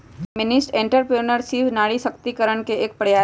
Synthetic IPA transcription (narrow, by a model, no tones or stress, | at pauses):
mɪnɪsʈẽːɳʈəɾpɾeːnəɾsiːʋnaːɽisɐkt̪ikəɾəɳ̃keeːk̚pəɽjaː